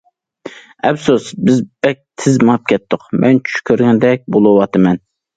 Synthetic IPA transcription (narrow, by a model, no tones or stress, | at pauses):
ɛpsusbɪzb̥ɛk̚ʲt̪ʰɪzmp̚kʲʰɛt̪ʰːʊqmʔɛnt͡ʃʰy̥ʃkʲʰøɾɡʲɛnd̪ɛk̚ʲbolˠuwɑt̪ɨmɛn